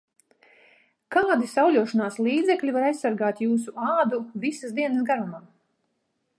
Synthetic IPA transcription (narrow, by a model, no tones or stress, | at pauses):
kaad̪isawlʲuɔʃɔnaːslˠiːd̪zɛklʲivaɾajssaɾɡaːt̪juːs̬uaːd̪uvisasd̪iɛnəsɡaɾumam